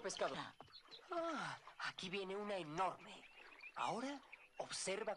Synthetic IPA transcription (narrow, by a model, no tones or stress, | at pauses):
peskaðoaaakiβienewnaeno̞ɾmea̰oɾa | oβseɾβa